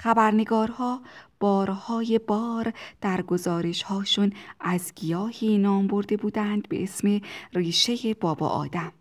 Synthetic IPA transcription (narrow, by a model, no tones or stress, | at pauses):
χæbæɾneɡɒːɾhɒːb̥ɒːɾhɒːje̞bɒːɾd̪̥æɾɡo̞zɒːɾe̞ʃhɒːʃunʔæzɡijɒːhiːnɒːmbo̞ɾd̪e̞buːd̪ænd̪be̞̰ʔesmeriːʃe̞je̞bɒːbɒ̰ːʔɒ̰ːd̪̥æm